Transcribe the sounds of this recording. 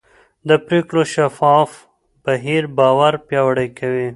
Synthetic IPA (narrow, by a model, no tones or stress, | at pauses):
d̪əpɾeːkɽoʃafɑf | b̥aɦiɾbɑːwaɾpjɑwaɽəjkawi